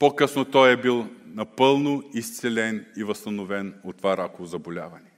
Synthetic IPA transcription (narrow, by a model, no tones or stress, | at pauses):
pokɤsnot̪ɔjɛbilˠnɐpɤlˠnoist̪sɛlɛnivɐst̪ɐnovɛnot̪ːvaɾakovozɐbolʲa̰vɐnɛ